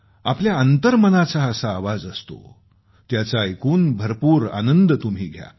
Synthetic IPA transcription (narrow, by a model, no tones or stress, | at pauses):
a̰pljaənt̪əɾmənat͡saəsaːʋad͡zəst̪o̰ | t̪jat͡saekuːnbʱəɾpuːɾa̰nənd̪t̪um̤iːɡʱja̰